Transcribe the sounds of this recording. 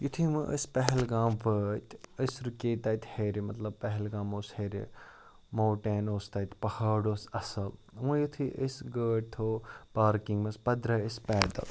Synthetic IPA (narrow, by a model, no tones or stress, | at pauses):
jut̪ʰimɨʔə̰spɐɦɛlɡaːmʋət̪əsɾukeːt̪ɐːt̪ʲheːɾimɐt̪lɐb̚pɐɦɛlɡaːmoːsheːɾḛ | moːʈeːnoːst̪ɐːt̪ʰpɐhaːɖoːsɐsɐlmũjit̪ʰiʔəsɡəːʈ̚t̪ʰoːpaːɾkiŋɡmɐspɐd̪ɾɐəspɛːd̪ɐ̰l